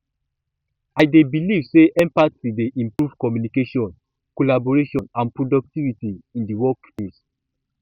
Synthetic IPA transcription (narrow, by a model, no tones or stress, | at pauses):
aɪdebilivseʔɛ̃mpatwideʔĩmpɹuv̥kɔmjunikeʃɔ̃n | kolaboɹeʃɔ̃nãnpɹodɔk̚tivitiĩndiwɔkfẽs